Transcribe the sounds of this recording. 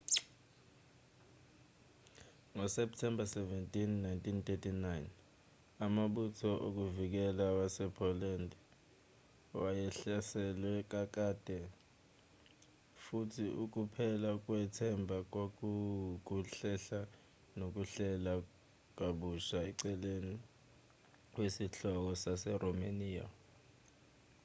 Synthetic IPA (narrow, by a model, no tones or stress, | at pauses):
ŋɔsɛp̚tʰɛmbʱasɛvɛntʼinːajntʰʼintʼetʰinajn | amaɓutʰɔʔok̬uvik̬ɛlawasɛpʰɔlandʱɛ | wajɛɬasɛlwɛk̬ak̬ʼad̥ʱɛ | futʰiʔuk̬upʰɛlak̬wɛtʰɛmbʱak̬a | kuɬɛɬa | nok̬uɬɛla | k̬aɓuʃaɛǀɛleni | k̬wesiɬɔk̬ɔsasɛrɔmaniːa̰